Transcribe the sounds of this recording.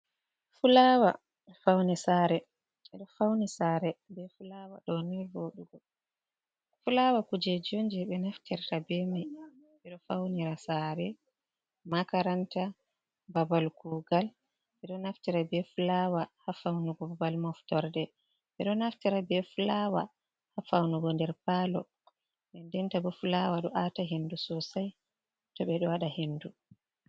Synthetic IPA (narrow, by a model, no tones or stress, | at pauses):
fulawa̰ | fawnɛsaɾɛ | ɛɗɔfawnisaɾɛbɛfulawa̰ɗɔniɾboɗuɡɔ | fulawakud͡ʒɛd͡ʒond͡ʒɛɓɛnaftiɾtabɛmi | ɛɗɔfawniɾasaɾɛ | makaɾanta | babalkuɡal | ɓɛɗɔnaftiɾabɛfulawahafawnuɡɔbabalmɔftɔɾdɛ | ɓɛɗɔnaftiɾabɛfulawa̰ | hafawnuɡɔndɛɾpalɔ̰ | ɓɛndɛntabɔfulawaɗɔʔataɦendusɔsaj | tɔɓɛɗɔwaɗahenːdu